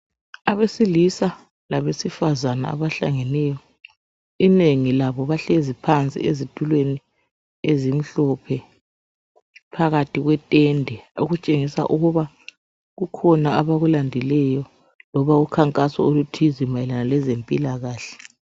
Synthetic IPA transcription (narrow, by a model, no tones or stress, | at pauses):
aβesilisa | laβesifazana̰a̰βaɬa̰ŋɛnɛːjɔ | ineŋilaβɔβaɬezipʰant͡sʼḭezitʼulweni | ezim̩ɬɔpʰɛ | pʰaɣatʰʼiɣwɛtʼɛndʱɛoɣut͡ʃʼeŋisa̰ʔuɣuβa | ɣukʰɔnaaβaɣulandʱilɛjɔ | lɔβaɣukʰaŋkʼasɔolutʰizimajɛlanalɛzempʼilaɣaːɬɛ̥